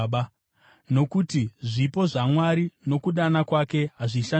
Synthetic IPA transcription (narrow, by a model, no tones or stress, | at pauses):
ɓa | no̞kutiʐipo̞ʐamwaɾino̞kuɗanakwake̞ɦaʐiʃa